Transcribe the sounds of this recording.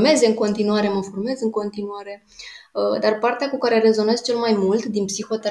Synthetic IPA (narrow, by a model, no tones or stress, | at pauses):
me̞zeɨŋko̞nt̪inuaɾe̞məforme̞zɨŋko̞nt̪inuaɾe̞ | əd̪arpart̪eakukaɾe̞re̞zo̞ne̞zt͡ʃe̞lmajmult̪d̪inpsixo̞t̪e